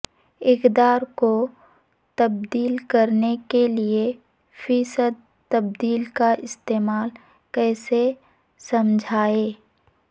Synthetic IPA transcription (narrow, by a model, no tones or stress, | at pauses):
ɪkd̪aːɾko | t̪ɐb̚d̪iːlkəɾnekelie | fiːsəd̪̚ | t̪ɐb̚d̪iːlkaʔɪst̪eːmaːl | kɛːse | səmd͡ʒʱaːeː